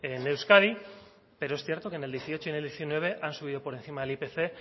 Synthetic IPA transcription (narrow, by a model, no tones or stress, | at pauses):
enːewskaɾi | pe̞ɾo̞esθje̞ɾt̪o̞keneld̪je̞θio̞t͡ʃo̞ine̞ld̪jeθinwe̞β̞e̞ʔansuβiðo̞po̞ɾe̞nθimaðe̞lipe̞θe̞